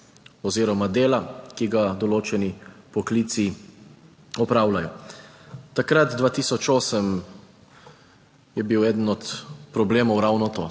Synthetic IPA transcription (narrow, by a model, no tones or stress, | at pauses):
ɔziːɾɔmad̪eːlakiɡad̪ɔloːt͡ʃɛnipɔkliːt̪si | ɔpɾaːwlajɔ | t̪akɾat̪d̪ʋaːt̪iːsɔt͡ʃoːsəm | jɛbiwɛːd̪ənɔt̪pɾɔbleːmɔwɾawnɔt̪oː